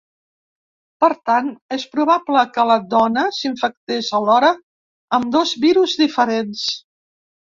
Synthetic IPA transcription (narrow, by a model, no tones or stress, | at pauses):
pəɾt̪anespɾuβapləkələd̪ɔnəsiɱfək̚t̪ezəlɔɾəː | md̪ozβiɾuzd̪ifəɾens